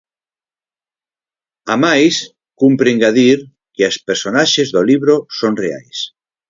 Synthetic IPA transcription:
amajs | kumpɾeŋɡaðiɾ | keaspeɾsonaʃezðoliβɾosoŋrea̰js

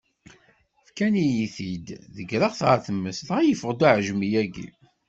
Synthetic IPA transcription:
fkænijiθid̪ðəɡɾɑʁθʁaθəmːəsθʁæjəfəʁd̪uʕʒmijæɡḭ

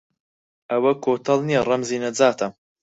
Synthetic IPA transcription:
ʔɐwɐkʰoːt̪ʰɐlˠnijɛrɐmziːnɐd͡zaːt̪ʰɐm

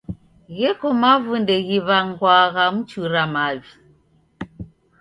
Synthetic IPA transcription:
ɣɛkɔmavundɛɣiβaŋɡwaɣamut͡ʃuɾamaβi

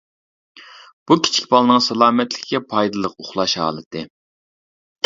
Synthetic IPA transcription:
b̥ukʲʰi̥t͡ʃʰi̥kʲbɑlˠɨnɨŋsɛlˠɑːmɛt̪lɪ̥kʲkʲɛpʰɑjd̪ɨlˠəqoχlˠɑʃhɑ̰ːlˠɨt̪ʰɨ

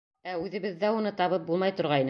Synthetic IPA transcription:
æʉðɘ̆βɘðːæunɤt̪ɑβɤp̚bulˠmɑjt̪ŏɾʁɑin

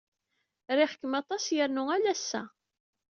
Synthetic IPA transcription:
ɾɪħə̥kːəmɑt̪ˤɑsjəɾnʊælæsːæ̰

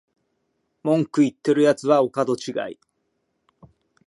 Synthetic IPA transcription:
mõ̞ŋkɯ̟it̪ːe̞ɾɯ̟jat͡sɨβaokad̪o̞t͡ɕiɡa̰ḭ

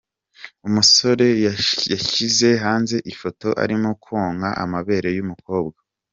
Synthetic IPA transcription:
umuso̞ɾe̞jjaçize̞ɦaːnze̞ʔifo̞to̞ʔa̰ɾimokoːŋɡaʔa̰maβe̞ːɾe̞jumukʰo̞ːbɡa

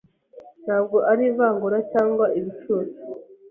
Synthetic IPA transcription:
n̥haːb̚ɡo̞ʔaɾivaːŋɡuɾacaːŋɡwaiβit͡ʃuːzi̥

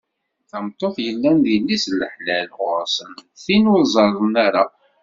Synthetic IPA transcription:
θəmt̪ˤːoθjəlːændilːisləħlælʁʊɾsənθinʊzˤɑɾˤənaɾa

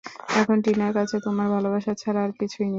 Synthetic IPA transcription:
ɛkʰonʈinaɾkat͡ɕʰet̪omaɾbʱalobaʃat͡ɕʰaɾaɾkit͡ɕʰuni

